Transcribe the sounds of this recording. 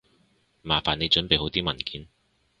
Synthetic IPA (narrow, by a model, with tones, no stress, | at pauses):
maː˨˩faː˨˩ne˨˧jt͡ʃɵ˨˥npe˨jho˨˥wt̪iː˥mɐ˨˩nkiː˨˥n